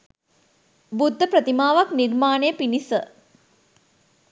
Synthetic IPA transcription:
bud̪ʱːəpɾət̪imaːʋaknirmaːnejəpinisə

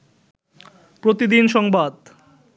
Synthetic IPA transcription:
pɾot̪id̪inʃɔŋbad̪

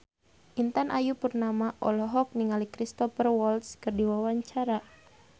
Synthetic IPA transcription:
ʔint̪anʔajupurnamaʔɔlɔɦɔk̚niŋalikɾist̪ɔfərwɔlt̪skɨrdiwawaɲt͡ʃaɾa

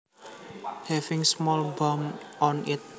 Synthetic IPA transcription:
hɛfɪŋsmɔlbamɔnɪt̪̚

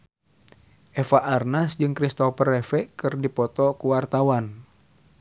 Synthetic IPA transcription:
ʔɛfaʔarnasd͡ʒɨŋkɾist̪ɔfərɛfɛkɨrdipɔt̪ɔkuwart̪awan

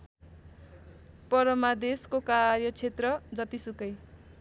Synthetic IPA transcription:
pʌɾʌmad̪eskokarjʌt͡sʰet̪rʌd͡zʌt̪isukʌj

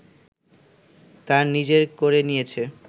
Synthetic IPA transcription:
t̪aɾnid͡ʑeɾkoɾenijet͡ɕʰe

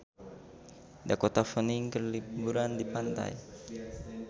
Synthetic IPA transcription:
dakɔt̪afəniŋkərlibuɾandipant̪a̰j

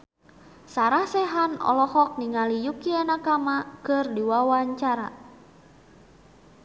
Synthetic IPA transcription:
saɾahsɛɦanɔ̰lɔhɔk̚niŋalijukiɛnakamakɨrdiwawaɲt͡ʃaɾa̰

